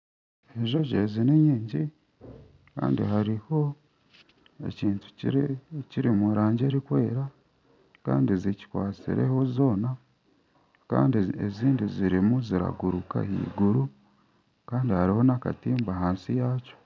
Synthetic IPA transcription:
eʒo̞ʒezineɲiːɲɟi | ka̰ːndḭhaɾiho̞ | e̞̰ciːntʰu̥iciɾimuɾaːɲɟe̞ɾikweːɾa | ka̰ːndizici̥kwaːt͡sḭɾe̞̰ho̞zo̞ːna | ka̰ːndieziːndiziɾimuziɾa̰ɡuɾuka̰hḭːɡuɾu | kaːndihaɾiho̞naka̰tiːmbaɦaːnsijaːco̥

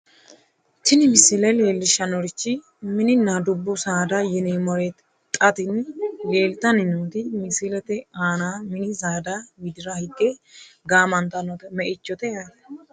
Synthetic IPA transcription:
tɪnɪmɪsɪlɐleːlːɪʃɐnɔɾɪt͡ʃːɪ | mɪnɪnad̪ʊbːɔsaːd̪ɐjɪneːmɔɾɛt̪ | t̪ʼɐt̪ɪnleːlt̪ɐnɪnuːt̪ɪmɪsɪlɛt̪ɛaːnaːmɪnɪsaːd̪awɪd̪ɪɾɐhɪkʼːɛɡaːmɐnt̪ɐnɔt̪ɛmɛʔɪt͡ʃːɔt̪ɛja

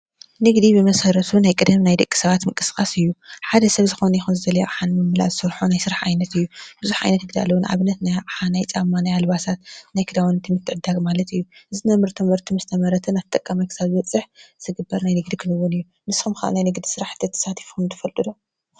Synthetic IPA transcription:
nɨɡd̪ibɨmɐsɐɾɐt̪ʰunajkʼɨd̪ɐmnajd̪ɐkʼːi̥sɐβat̪mɨŋkʼɨsɨkʼasɨjːuħad̪ɐsɐβzɨxo̞nɐjɛxunzɨzɐlɐjoʔaħanmɨmːɨla̰zɨsɐɾħonajsɨɾaħʕajnɐt̪ɨjːub̥ɨzuħʕa̰jnɐt̪ɡɨd̪a̰lɐwunʕa̰βɨnːɐt̪najʔaħanajt͡sʼamːanajalβasat̪najkʰɨd̪awnt̪ʰimːɨt̪ʰːɨʕɨd̪almalɐt̪ɨjːuʔɨzinamɨɾt̪ʰumɨɾt̪ʰumɨzɨt̪ʰɐmɐɾɐt̪ʰɐnat̪ʰɐt̪ʼɐkʼːamajkʰɨsaβzɨβɐt͡sʼːɨħzɨɡɨbːɐɾnajnɨɡd̪ikʰɨnɨwunɨjːu | nɨsxumkʰaʔa̰najnɨɡd̪i̥sɨɾaħt̪ʰːɐt̪ʰːɐ̥sat̪ʰi̥fumt̪ʰɐfɐlt̪ʼɨd̪o

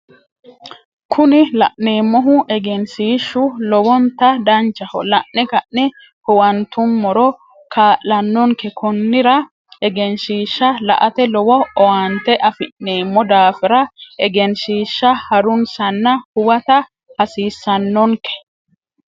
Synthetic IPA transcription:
kʰʊnɪlɐ̰ʔneːmːɔɦʊʔɛɡɛnsiːʃːʊlɔwɔnt̪ɐd̪ɐnt͡ʃːɐhɔ̰lɐʔnɪkɐʔnɪ | hʊwɐnt̪ʊmːɔɾɔ | kʰaːʔlɐnːɔŋkɛkʰɔnːɪɾɐ | ɛɡɛnsiːʃːɐlɐ̰ʔɐt̪ɛlɔwɔɔwɐnt̪ɛʔɐfɪʔːeːmːɔd̪aːfɪɾɐɛɡɛnsiːʃːɐhɐɾʊnsɐnːɐhʊwɐt̪ɐ | hɐsiːsːɐnːɔŋkɛ̥

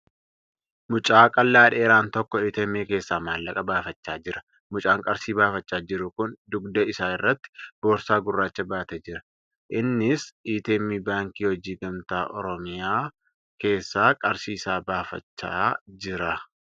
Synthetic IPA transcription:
mʊt͡ʃʼaːkʼɐlːaːᶑeːɾaːnt̪ɔkːɔiːt̪eːmːeːke̞ːsːaːmaːlːɐkʼɐbaːfɐt͡ʃːaːd͡ʒɪɾɐ̥ | mʊt͡ʃʼaːŋkʼɐɾsiːbaːfɐt͡ʃːaːd͡ʒɪɾʊkʊnd̪ʊɡd̪ɐɪsaːɪrːɐt̪ːɪ̥b̥o̞ːɾsaːɡʊrːaːt͡ʃːɐbaːt̪ɛd͡ʒɪɾɐ | ʔɪnːɪsʔiːt̪eːmiːbaːŋkiːwɔd͡ʒiːɡɐmt̪aːʔɔ̰ɾɔmɪjaː | ke̞ːsːaːkʼɐɾsiːsaːbaːfɐ̰t͡ʃːaːd͡ʒɪɾɐ

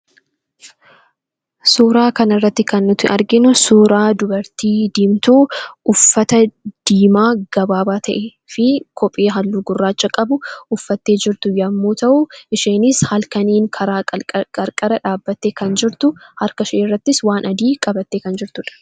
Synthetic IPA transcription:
suːɾaːkɐnɪrːɐt̪ːɪkɐnːʊt̪ɪʔɐɾɡɪnʊsuːɾaːd̪ʊbɐɾt̪iːd̪iːmt̪uːʔʊfːɐt̪ɐd̪̥iːmaːɡ̥ɐbaːbaːt̪ʰɐʔeː | fɪkʰɔpʼːiːɦɐlːʊɡʊrːaːt͡ʃːɐkʼɐbʊʔʊfːɐt̪ːe̞ːd͡ʒɪɾt̪ʊjɐmːuːt̪ɐʔʊʔɪʃeːnɪshɐlkɐniːŋkʰɐɾaːkʼɐɾkʼɐɾɐᶑaːbːɐt̪ːeːkɐnd͡ʒɪɾt̪ʊhɐɾkɐʃɐʔrːɐt̪ːɪswaːnʔɐd̪iːkʼɐbɐt̪ːeːkɐnd͡ʒɪɾt̪ʊᶑɐ̥

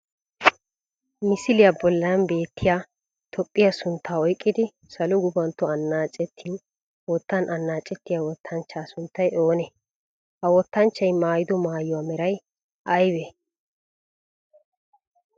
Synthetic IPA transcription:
mɪsɪlɪjabɔlːɐnnbe̞ːt̪ʰːɪjaː | t̪ʰɔpʼːɪjasʊnt̪ʰːaːɔjkʼːɪd̪ɪ | sɐlʊɡʊbɐnt̪ːɔɐnːaːt͡ʃʼːɛt̪ʰːiːn | wɔt̪ːɐnʔɐnːaːt͡ʃʼːɛt̪ːɪjawɔt̪ʰːɐnt͡ʃːaːsʊnt̪ːɐjo̞ːnɛ | hɐwɔt̪ːɐnt͡ʃːɐjmaːjɪd̪ɔmaːjɔwaːmɛɾɐj | ʔɐjwe

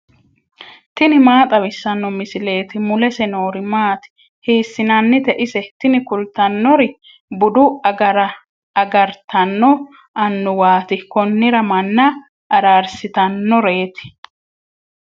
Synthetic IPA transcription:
t̪ɪnɪmaːt̪ʼɐwɪsːɐnːɔmɪsɪle̞ːt̪ɪmʊlɛsɛnoːɾɪmaːt̪ɪ̥ | hiːsːɪnɐnːɪt̪ɛʔɪsɛt̪ɪnɪkʊlt̪ɐnːɔɾɪ | bʊd̪ʊɐɡɐɾɐ | ɐɡɐɾt̪ɐnːɔ | ɐnːʊwaːt̪ɪkɔnːɪɾɐmɐnːɐ | ʔɐɾaːɾsɪt̪ɐnːɔɾe̞ːt̪ɪ̥

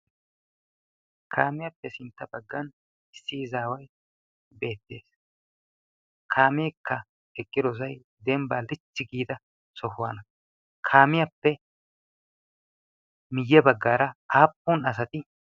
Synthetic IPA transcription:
kʰaːmɪjɐpːɛsɪnt̪ːɐbɐɡːɐn | ɪsːɪzaːwɐj | be̞ːt̪ːe̞ːs | kʰaːmeːkːɐ | ɛkʼːɪd̪ɔzɐj | d̪ɛmbaːlɪt͡ʃːɪɡiːd̪ɐ | sɔhʊwanɐ | kʰaːmɪjɐpːɛ | mɪjːɛbɐɡːaːɾɐaːpːunɐs̬ɐt̪ɪ

